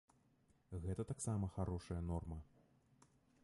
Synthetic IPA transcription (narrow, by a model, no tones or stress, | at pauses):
ɣɛt̪ɐt̪aksamɐxaɾɔʂɐjɐnɔrmɐ